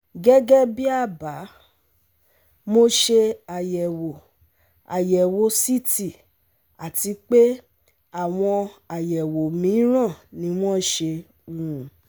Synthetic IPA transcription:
ɡɛ˦ɡɛ˦bi˦a˦˨ba˨˦ | mo˦ʃe˧a˨jɛ˨wo˨ | a̰˨jɛ˨wo˨˦si˦ti˨ | a˨ti˧k͡pe˦ | a˦˨w̃ɔ̃˧a˨jɛ˨wo˨mĩ˨˦ɾ̃ã˦˨nĩ˧˦w̃ɔ̃˦ʃe˧ | wũ˨˧˦

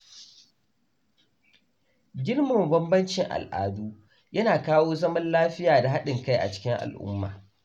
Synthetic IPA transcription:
ɡʲɪ˦rmʊ˨mbɐ˦mbɐ˦nt͡ʃɪ˨ŋʔa̰˨lʔa̰ː˨duː˦ | jɐ˦naː˨kaː˦woː˦zɐ˦mɐ˦nlaː˦ɸɪ˦jaː˨da˨ɦa˦ɗɪ˨ŋka˦jʔa̰˨t͡ʃɪ̥˦kʲɪ˦ŋʔa̰˨lʔʊ̰˦mːa̰ː˨

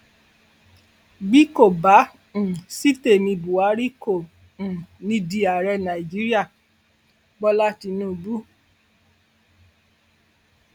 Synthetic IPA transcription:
ɡ͡bi˦ko˦˨bã˨˦˨ | si˦te˦˨mĩ˧bu˨a˨˦ɾi˦ko˦˨ | ũ˨nĩ˦di˧a˨ɾɛ˧nã˨i˨d͡ʒi˦ɾi˦a˦˨ | ɡ͡bɔ˦la˦ti˧nũ˦˨bu˦

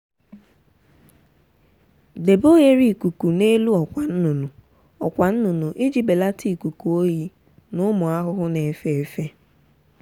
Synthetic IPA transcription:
de˨bo˦je˦ɾi˨ku˨ku˨ne˦lu˦ɔ˨kʷa˨n̩˦nu˨nu˨ | ɔ˨kʷa˨n̩˦nu˨nu˨ʔi˦d͡ʒi˨be˨la˦tʰi˦˨ku˨ku˨o˦ji˦ | nʊ˦mʊ˨a˦ɦʊ˦ɦʊ˦ne˨fe˦˨e˨fe˦

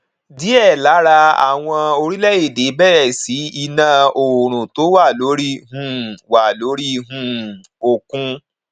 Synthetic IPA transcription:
di˨˦ɛ˦˨la˨˦ɾa˧a̰˨w̃ɔ̃˧o˧ɾi˦lɛ˦je˦˨de˨˦bɛ˦˨ɾɛ˨si˨˦i˧nã˧o˨ɾ̃ũ˨to˨˦wa˦˨lo˨˦ɾi˦ɦũ˦˨wa˨lo˨˦ɾi˦ɦũ˦˨ | o˨kũ˧

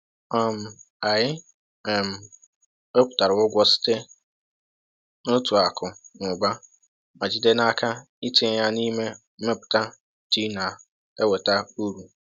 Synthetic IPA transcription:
ɔ˦˨m̩˨ | a˨jɪ˦ | ɛ˨m̩˨ | e˦pʷʊ̥˨ta˨ɾʊ˨ʊ˦ɡʷɔ˦sɪ̥˦te˦ | nʊ˦tu˨a˨kʊ˨nʊ˨ɡ͡ba˦ | ma˨d͡ʒɪ˨de˦na˦ka˦ | i˦te˦ja˦ni˦me˦m̩˦e˦pʊ̥˨ta˦ | ti˦na˨ | e˦we˨ta˦u˦ɾu˨

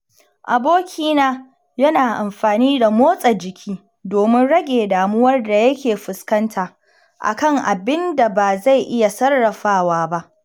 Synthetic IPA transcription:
ʔa˨boː˦kʲʰiː˦naː˦ | jɐ˦naː˨ʔa˨mɸaː˨niː˦da˨moː˦sʼɐ˨d͡ʒɪ˨kʲʰiː˦ | doː˨mɪ˦nɽɐ˦ɡʲeː˨daː˨mʊ˦wɐ˦rda˨jɐ˦kʲeː˨ɸʊ˨skɐ˦ntʰaː˨ | ʔa̰˨kɐ˦˨ŋʔa˨bɪ˦nda˨baː˨za˦˨jʔɪ˦ja˨sɐ˦rːɐ˨ɸaː˦waː˦ba˦ʔ

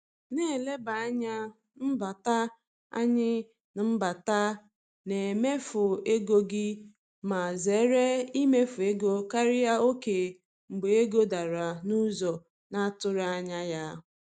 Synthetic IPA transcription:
ne˦˨le˦ba˨a˦ɲa˦ | m̩˦ba˨ta˦ | a̰˦ɲɪ˦ | n˨m̩˦ba˨ta˦ | ne˨e˨me˦fʊ˨e˦ɡo˦ɡɪ˦ | ma˨ze˨˦ɾe˦i˦me˦fʊ˨e˦ɡo˦ka˦ɾɪ˦ja˦o˦ke˨ | m̩˨ɡ͡be˨e˦ɡo˦da˨ɾa˨nu˦zɔ˨ | na˦tʊ˦ɾa˦a˦ɲa˦ja˦

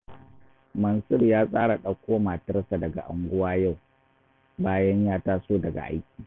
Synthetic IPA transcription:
mɐ˨nsʊ˦rjaː˦sʼaː˦ɽa˨ɗɐ˦kʷoː˦maː˨tɐ˦rsa˨dɐ˨ɡa̰˨ʔa̰˨ŋɡʷʊ˦waː˦ja˦˨w | baː˦jɐ˦ɲjaː˦taː˦soː˦˨dɐ˨ɡa̰˨ʔa̰˦jkʲi̥ː˨

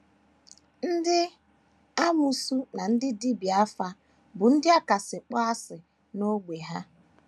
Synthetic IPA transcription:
n̩˦dɪ˦ | a˦mu˨su˦na˨n̩˦dɪ˦di˦bi˨a˦fa˦ | bʊ˨n̩˦dɪ˦a˦ka˨sɪ˨k͡pa˦a˦sɪ˨ | no˦ɡʷe˨ɦa˦

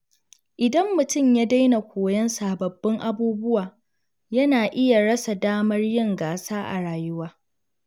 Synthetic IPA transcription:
ʔɪ˨dɐ˦mːʊ˨tʊ˦˨mja˦da˦jna˨kʷoː˨jɐ˦nsaː˨bɐ˨bːɪ˦ŋʔa˦buː˦bʊ˦waː˨ | jɐ˦naː˨ʔɪ˦ja˨ɽɐ˦sa˨daː˦mɐ˦rjɪ˦ŋɡaː˨saː˦ʔa̰˨ɽaː˨jʊ˦waː˦

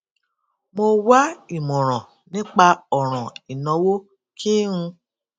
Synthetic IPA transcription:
mo˧wa˦i˦˨mɔ̃˨ɾ̃ɔ̃˨ | nĩ˦k͡pa˧ɔ˨ɾ̃ɔ̃˨i˨nɔ̃˨˦wo˦ | kʰi˦ũ˧

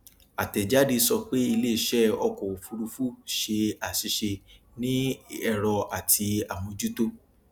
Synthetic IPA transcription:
a˨tɛ˨d͡ʒa˨˦di˧sɔ˧k͡pe˦i˧le˦˨ʃɛ˦ɔ˧kɔ˨o˨fu˧ɾu˧fu˦ʃe˧a˨si˧ʃe˧ | nĩ˦ɛ˦˨ɾɔ˧a˨tʰi˧a˨w̃ɔ̃˧d͡ʒu˦to˦

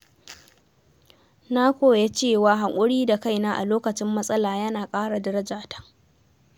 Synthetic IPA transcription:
na˦kʷoː˨je˦t͡ʃeː˦˨waː˨ɦa˨ŋʔʷʼʊ˦ɽiː˦da˨ka˦jnaː˦ʔa̰˨loː˦kɐ˨t͡ʃɪ˦mːɐ˦sʼɐ˦laː˨jɐ˦naː˨kʼaː˦ɽa˨dɐ˦ɾɐ˦d͡ʒaː˨tḁ˦

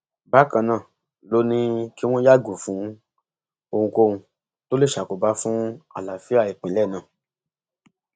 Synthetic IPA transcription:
ba˦kã˧nãː˦˨ | lo˦nĩ˦ki˦w̃ɔ̃˦ja˦˨ɡu˨fũ˨˦ | o˧hũ˧ko˦ũ˧ | to˦le˦˨ʃa˨ko˨ba˧˦fũ˦a̰˨la˨fi˦a˦˨i˨k͡pĩ˨lɛ˦˨nã˦˨

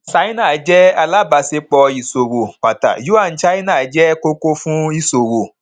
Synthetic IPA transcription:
sa˨˦i˦nãː˦˨˦d͡ʒɛ˦a˧la˦ba˧se˧k͡pɔ˧i˨so˨ɾo˨k͡pa˨ta̰˨ju˦a˦˨n̩˦t͡ʃa˦i˦nãː˦˨˦d͡ʒɛ˦ko˧ko˧fũ˦i˧so˨ɾo˨

